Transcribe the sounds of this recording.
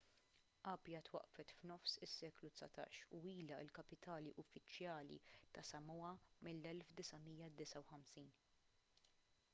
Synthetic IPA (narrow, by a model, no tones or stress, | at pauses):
ʔɐːpjɐt̪wɐ̰ʔfɛt̪fnɔfsɪsːɛːklut̪sɐ̰t̪ɐ̰ːʃuiːlɐɪ̰lkɐpɪt̪ɐːliʔʊfːɪt͡ʃjɐːlḭt̪ɐsɐmɔɐmɪlːɛlfd̪ɪsɐmijːɐd̪ɪsɐwħɐmsiːn